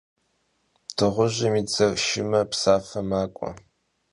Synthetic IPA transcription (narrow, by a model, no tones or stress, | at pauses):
tʰɨʁʷʊʑɐmiːt͡sɐʃɪmɐpsaːfɐmaːkʷʼɔ̰